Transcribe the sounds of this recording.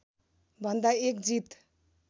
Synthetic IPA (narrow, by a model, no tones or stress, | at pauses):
bʱʌnd̪aek̚d͡zit̪